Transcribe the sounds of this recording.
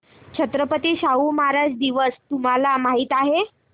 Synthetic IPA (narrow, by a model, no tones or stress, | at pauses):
t͡ɕʰət̪ɾəpət̪iːɕaumaɾad͡ʑd̪iʋəst̪um̤alamaɦiːt̪aɦe